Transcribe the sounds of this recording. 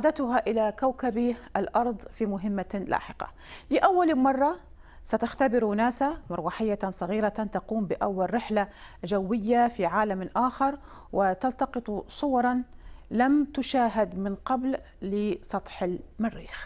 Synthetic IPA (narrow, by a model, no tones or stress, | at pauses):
ʕaːd̪at̪ʊɦaʔɪlakawkabiʔalʔɑɾˤd̪ˤfimʊɦɪmːalʔa̰ːħɪqɑ̰ | lɪʔawːalmɑrˤːɑ | sat̪axt̪abɪɾʊnaːsamɑɾˤwaːħɪjːasˤɑɣiːɾat̪aquːmbɪʔawːalɾɪħla | d͡ʒawːɪjːafiʕaːlamʔaːxɪɾˤ | wɪt̪alt̪ɑqɨt̪ˤusˤʊwɑɾˤɑnlamt̪ʊʃaːɦɪd̪mɪnqɑbl | lɪsˤɑt̪ˤħɪlmarːḭːx